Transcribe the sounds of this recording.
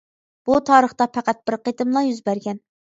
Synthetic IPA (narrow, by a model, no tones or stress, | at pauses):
b̥ut̪ʰɑːɾəχt̪ɑpʰæqæt̪̚b̥ɪɾqet̪ɪmlˠɑjyzbæɾɡʲɛn